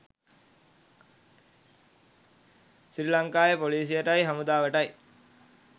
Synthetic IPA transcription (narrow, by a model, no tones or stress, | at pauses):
sɾilɐŋkaːjɐpoliːsɪjɐʈɐɪɦɐmud̪aːʋɐʈɐɪ